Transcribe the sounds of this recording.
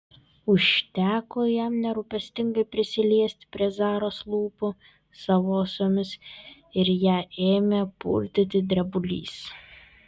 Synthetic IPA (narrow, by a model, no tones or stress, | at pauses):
ʊʃʲt̪ʲæːkoːjɛmnʲɛɾupʲɛsʲt̪ʲɪŋɡɐɪpʲɾʲɪsʲɪlʲiɛsʲt̪ʲpʲɾʲiɛzɑːɾoːslˠuːpʊ | sɐʋoːsomʲɪs | ɪɾjæːeːmʲepṵlʲd̪ʲɪt̪ʲɪd̪ʲɾʲɛbʊlʲḭːs